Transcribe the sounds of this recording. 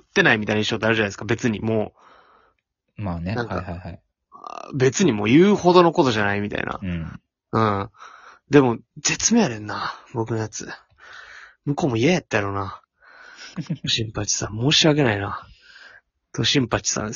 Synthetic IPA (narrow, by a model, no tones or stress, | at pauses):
ɯt̪ːe̞naimʲit̪ainaiɕod̪eaɾɯ̟ʑanaeskabe̞t͡sɨɲ̟imoː | mannãŋka̰aa | be̞t͡sɨɲ̟imo̞ːjɯːho̞d̪o̞no̞ko̞t̪o̞ʑanaimʲit̪a̰ḭna̰ | ɯ̟̃ː | d̪e̞mo̞ze̞t͡sɨme̞jaɾẽnːabo̞k̬ɯ̟no̞jat͡sɨ̰ | mɯ̟ko̞ːmo̞iejat̪ːejaɾo̞na | t̪oɕĩmpat͡ɕi̥sã̰mmo̞ːɕiaɡe̞naina | t̪o̞ɕĩmpat͡ɕi̥sã̰